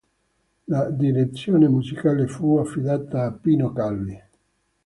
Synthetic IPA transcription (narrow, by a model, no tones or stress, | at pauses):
lad̪iɾet̪sːjoːnemuzikaːlefuafːid̪aːt̪aːpːiːnokalːi